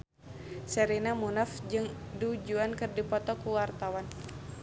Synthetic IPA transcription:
sɛɾinamunafd͡ʒɨŋdud͡ʒuankɨrdipɔt̪ɔkuwart̪awan

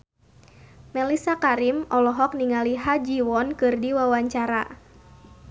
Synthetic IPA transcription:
mɛlisakaɾimʔɔlɔɦɔk̚niŋaliɦad͡ʒiwɔnkɨrdiwawaɲt͡ʃaɾa̰

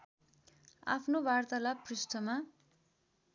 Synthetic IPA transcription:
a̰pʰnobart̪alaprisʈ̪ʰʌma

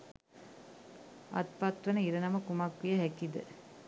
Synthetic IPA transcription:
ɐ̰t̪̚pɐt̪ʋɐnəiɾɐnɐmɐkumɐkʋijɐɦɛkid̪ə̰

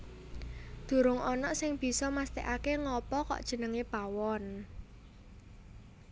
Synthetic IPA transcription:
d̪̥ṳɾʊŋɔnɔʔsɪŋb̥i̤sɔmast̪ḛʔakeŋɔpɔkɔ̰ʔd̥ʒ̥ə̤nəŋepawɔn

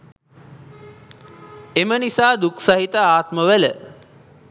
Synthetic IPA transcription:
emənisaːd̪uksaɦit̪əaːt̪məʋələ

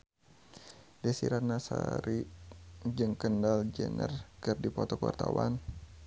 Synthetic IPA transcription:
dɛsiɾanasa̰ɾi | d͡ʒɨŋkəndald͡ʒənərkərdipɔt̪ɔkua̰rt̪awan

